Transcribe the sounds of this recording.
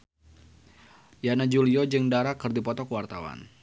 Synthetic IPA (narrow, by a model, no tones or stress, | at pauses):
janad͡ʒuliɔd͡ʒɨŋdaɾakːɨrdipɔt̪ɔkəwart̪awa̰n